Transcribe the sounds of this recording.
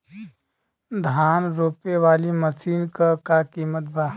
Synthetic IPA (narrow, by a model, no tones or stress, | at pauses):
d̪ʱaːnɾoːpeʋaːliməsiːnkakakiːmət̪̚bʱaː